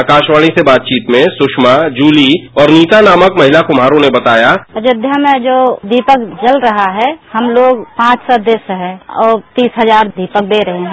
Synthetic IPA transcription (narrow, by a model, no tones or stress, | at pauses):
akaːʃʋaːɭ̃ĩsebaːt̪̚t͡ʃiːt̪mẽsʊʃmad͡ʒuːliɔːɾniːt̪anaːməkmɐɦɪlakʊmaːɾõnebɐt̪aːjaəd͡ʒɪd̪ʱjamẽd͡ʒoːd̪iːpəkd͡ʒəlɾɐɦaɦɛhɐmloːɡpãːt͡ʃsɔd̪eːsəɦɛ̃ɔːɾt̪iːsɦəzaːɾd̪ʱiːpək̚d̪eɾɐɦẽɦɛ̃